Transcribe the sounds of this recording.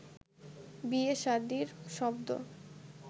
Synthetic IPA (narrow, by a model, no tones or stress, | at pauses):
bieʃaɾd̪iɾʃɔbd̪o̰